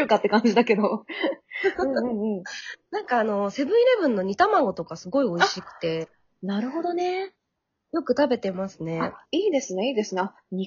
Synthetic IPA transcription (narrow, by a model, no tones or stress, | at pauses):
ɯkat̪ːe̞kãɲ̟d͡ʑid̪ake̞d̪o | ɯ̟̃ːɴ̃ːɴɯ̟̃ɴnãŋkaːno̞se̞bɯ̟̃ɰiɾe̞bɯ̟̃nːo̞ɲ̟it̪amaɡo̞t̪o̞kasɨɡo̞io̞iɕikɯ̟̥t̪e̞ | naɾɯ̟ɦo̞d̪o̞ne̞ | jo̞kɯ̟t̪abe̞t̪e̞masɨne̞aiːd̪e̞sɨneiːd̪e̞sɨnea | ɲʲi